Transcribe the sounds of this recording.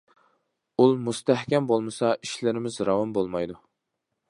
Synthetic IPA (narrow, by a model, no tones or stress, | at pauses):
ulˠmust̪æhkʲɛmbolˠmɨsɑʔiʃlɪɾɪmɪzɾɑwɑmbolˠmɑjd̪u